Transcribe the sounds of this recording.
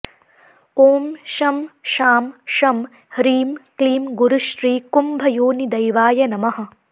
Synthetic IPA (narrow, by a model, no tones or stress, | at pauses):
oːmʃɐmʃaːmʃɐm | hɾiːmkliːmɡuɾuʃɾiːkumbʱɐjoːnid̪ɐjʋaːjɐnɐmɐɦɐ̆